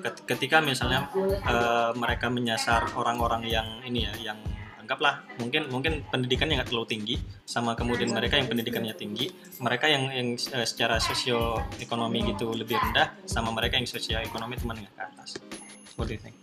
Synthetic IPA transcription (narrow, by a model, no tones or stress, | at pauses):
kət̪kət̪ikamisalɲaəːməɾekaməɲasaroɾaŋoɾaŋjaŋinijajaŋaŋɡaplahmuŋkɪnmuŋkɪnpəndidikanɲaŋɡaʔt̪ərlaut̪iŋɡisamakəmudianməɾekajaŋpəndidikanɲat̪iŋɡi | məɾekajaŋjaŋəːsə̥t͡ʃaɾasosioekonomiɡit̪uləbɪhɾəndahsamaməɾekajaŋsosiaekonomit͡ʃ̪umanŋɡaʔkat̪as | wɔdiθɛ̰ŋ